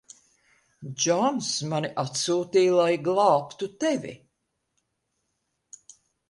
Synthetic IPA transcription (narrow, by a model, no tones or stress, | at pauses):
d͡ʒɔnsmaniʔat̪suːt̪iːlˠajɡlˠɑːpt̪ut̪evʲḭ